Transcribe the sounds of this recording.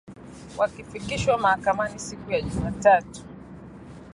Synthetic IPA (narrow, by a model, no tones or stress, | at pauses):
wʔakifikiʃwamahakamanisikujaʄumatatu̥